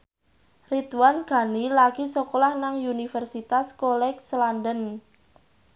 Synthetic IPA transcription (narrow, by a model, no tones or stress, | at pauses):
rit̪uwanɡ̥a̤nilaɡ̥isɔkolahnaŋunifərsit̪askolɛkslandən